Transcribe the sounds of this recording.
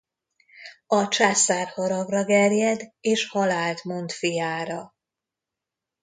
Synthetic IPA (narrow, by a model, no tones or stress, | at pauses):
ɒt͡ʃaːsaːrhɒɾɒɡrɒɡɛrjɛd̪eːʃhɒlaːlt̪mo̞nt̪fijaːɾɒ